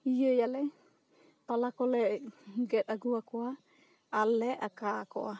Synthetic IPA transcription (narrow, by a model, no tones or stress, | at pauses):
ijəjalɛ | palakɔlɛɡɛt̪aɡuakɔa | alːɛʔakakɔ̰ʔa